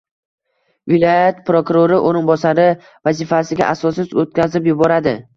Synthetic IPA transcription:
vɪlˠɒjat̪pɾokʊɾoɾɪʔoɾɪnbɒsaɾɪ | vazɪfasɪɡʲa̰ʔasɒsɪzot̪̚kʲazɪpjʊbɒɾad̪ɪ

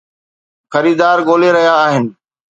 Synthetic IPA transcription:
xɐɾiːd̪aːɾɡoːleɾɐɦjaːɦɪnɪ̆

